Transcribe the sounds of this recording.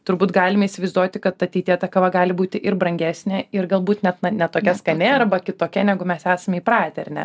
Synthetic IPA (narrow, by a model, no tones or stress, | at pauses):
t̪ʊɾbuːt̪ɡɑːlʲɪmɐiːsʲɪʋɐɪzd̪uɔt̪ʲɪkɐt̪ɐt̪ʲɛɪt̪ʲiɛt̪ɐkɐʋɐɡɑːlʲɪbuːt̪ʲɪʔɪɾbɾɐŋʲɡʲæːsʲnʲɛɪrɡɐlˠbuːt̪nʲɛt̪nɐnʲɛt̪oːkʲɛskɐnʲeɐrbɐkʲɪt̪oːkʲɛnʲæːɡʊmʲɛsæːsɐmʲiːpɾɑːt̪ʲɛɾʲnʲɛ̰